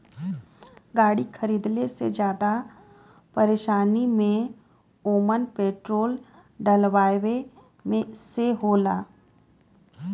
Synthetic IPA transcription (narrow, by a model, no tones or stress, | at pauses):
ɡaːɽikʰəɾiːd̪lesed͡ʒjaːd̪a | pɐɾeːʃaːnimẽ | oːmənpeːʈɾoːl | ɖəlʋaːʋe | mẽseɦoːla̰ː